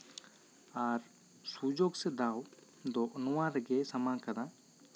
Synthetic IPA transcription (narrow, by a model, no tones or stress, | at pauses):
aɾ | sud͡ʒoɡsɛd̪aw | d̪ɔʔnɔwãɾɛɡɛsɐmãkɐd̪ã